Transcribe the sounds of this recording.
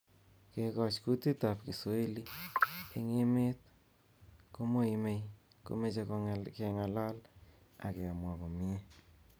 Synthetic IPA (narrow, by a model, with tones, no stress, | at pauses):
kekɔ˨t͡ʃku˦ti˦tap̚ki˨swe˦lie˨ŋe˦me˦t̚ | ko˦mo˦ime˨j | ko̰˨me˦t͡ʃe˧koke˨ŋa˨la˦l | a̰˨ke˨a˨mwa˨ko˨mi˦e˦